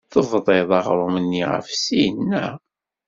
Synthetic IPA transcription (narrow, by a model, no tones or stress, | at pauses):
θəvðˤeðˤɑʁɾˤʊmənːiʁə̰fsiənːæ